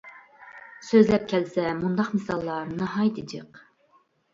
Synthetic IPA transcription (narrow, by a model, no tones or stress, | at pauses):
søzlɛp̚kʲʰɛlsɛmund̪ɑqmɨsɑlˠːɑɾnɨɦɑjd̪ɪd͡ʒɨq